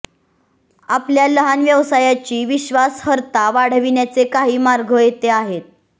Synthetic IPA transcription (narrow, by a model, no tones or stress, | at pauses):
apljaləɦanʋjəʋsajat͡ɕiːʋiɕʋashəɾt̪aʋaɽ̤ʋinjat͡sekaɦiːmaɾɡʱəjet̪eaɦet̪̚